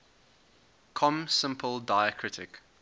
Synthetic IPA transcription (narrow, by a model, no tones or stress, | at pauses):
kʰɔ̃msɪ̃mpʰəlˠdaɪəkʰɹɪtʰɪk